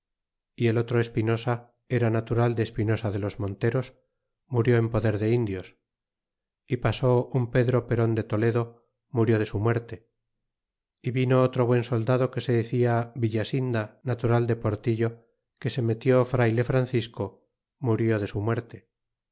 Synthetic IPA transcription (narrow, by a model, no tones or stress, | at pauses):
ie̞lot̪ɾoe̞spino̞sa | e̞ɾanat̪uɾald̪eːspino̞saðe̞lo̞zmõ̞nt̪e̞ɾo̞s | muɾjo̞empo̞ðe̞ɾðe̞ind̪jos | ipasoumpe̞ðɾo̞pe̞ɾo̞nd̪e̞t̪o̞le̞ðo | muɾjo̞ð̞e̞sumwe̞ɾt̪e̞ | iβino̞ot̪ɾo̞βwe̞nso̞ld̪aðo̞ke̞se̞ðeθiaβiʎasind̪anat̪uɾald̪e̞po̞ɾt̪iʎo̞ | ke̞se̞me̞t̪jofɾajle̞fɾanθisko | muɾjo̞ðe̞sumwe̞ɾt̪e̞